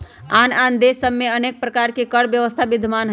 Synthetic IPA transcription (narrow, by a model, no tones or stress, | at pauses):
anand̪esəbmeənek̚pɾəkaɾkekəɽbjəʋəst̪ʰabid̪ʱmanɦə